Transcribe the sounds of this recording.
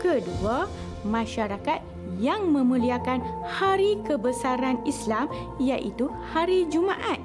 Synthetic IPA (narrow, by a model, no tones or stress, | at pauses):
kədua | mãʃaɾakat̪̚ | jaŋmə̃mũliakanhaɾikəbəsaɾanislam | jaʔit̪u | haɾid͡ʒumãʔat̪̚